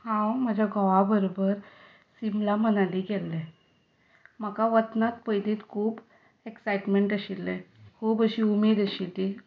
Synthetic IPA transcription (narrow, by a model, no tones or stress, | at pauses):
hãwməd͡ʑʱaɡʱɔʋabəɾobəɾ | simlamənaliɡɛlːɛ | məkaʋət̪nat̪̚pəjd̪iːt̪kʰuːb | eksajʈmeɳʈəɕilːɛkʰuːbəɕiːumed̪əɕit̪i